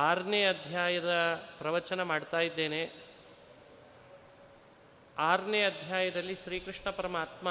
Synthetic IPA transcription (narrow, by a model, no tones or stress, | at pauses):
aːɾɳeɐd̪ʱjaːjɐd̪ɐpɾɐʋɐɾt͡ʃɐnɐmaːɖt̪aːjid̪ːe̞ːne | aːɾnjɐɐd̪ʱjaːjɐd̪ɐlːiʃɾiːkɾiʂɳɐpɐɾɐmaːt̪ma